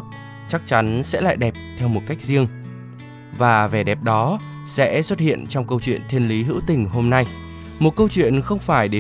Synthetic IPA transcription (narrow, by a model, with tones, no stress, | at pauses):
t͡ɕa˦˥k̚t͡ɕa˨˦nsɛ̰˧˥la̰ː˧˨jɗɛ˨˩p̚t̪ʰɛ˧wmo˨˩t̚ka˦˥jk̚zi˧əŋ | vaː˨˩ve˨˩ɗɛ˨˩p̚ɗɔ˨˦ | sɛ̰˧˥swə˦˥t̚hḭ˧˨ənt͡ɕɔ˧wŋ͡mkə˧wt͡ɕwḭ˧˨ənt̪ʰi˧ənli˨˦ɦɨ̰˧˥wt̪ï˨˩ŋ̟ho˧mna˧j | mo˨˩t̚kə˧wt͡ɕwḭ˧˨ənxə˧wŋ͡mfaː˧˩jɗe˧˨˩